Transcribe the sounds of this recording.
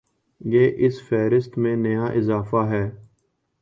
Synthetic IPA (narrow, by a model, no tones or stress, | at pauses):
jeːʔɪsfɛːɾɪst̪mẽːnejãːʔɪzaːfaːɦɛː